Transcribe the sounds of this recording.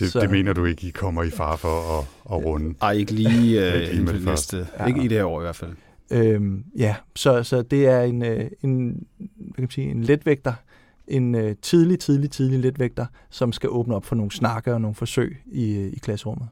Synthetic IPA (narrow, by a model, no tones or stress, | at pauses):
d̥ese̝me̝̰ːnɐd̥ue̝ɡ̥əikʰɒ̽m̰ɐifɑ̈ːfɒ̽ːʁɔnəɑɪeɡ̥əliːe̥iːme̥sd̥əɡid̥eheɐɒ̰ːiʋæɐfæl̰ | ømjæsɒ̽sɒ̽d̥e̝æɐe̝nøe̝n | ʋækʰæmænsḭːe̝nled̥ʋeɡ̥̚d̥ɐ | ʔe̝nøt͡sʰið̞ˠlit͡sʰið̞ˠlit͡sʰið̞ˠliled̥ʋeɡ̥̚d̥ɐsɒ̽msɡ̥æʔɔːb̥nəɒ̽b̥fɒ̽no̝ːn̩snɑ̈ɡ̥əɒno̝ːn̩fɒ̽sø̰ɪ̰iikʰlæsəʁɔ̽m̰ð̞̩ˠ